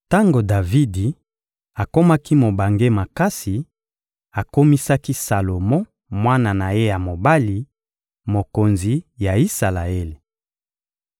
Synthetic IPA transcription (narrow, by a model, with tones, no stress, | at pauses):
ta˦ŋɡo˨da˨vi˦di˨ | a˨ko˦ma˦ki˦mo˨ba˨ŋɡe˦ma˨ka˦si˨ | a˨ko˦mi˦sa˦ki˦sa˨lo˨mɔ̃˦ | mwa˦na˨na˨je˦ja˨mo˨ba˦li˨ | mo˨ko˨nzi˨ja˨i˦sa˨la˨e˦le˨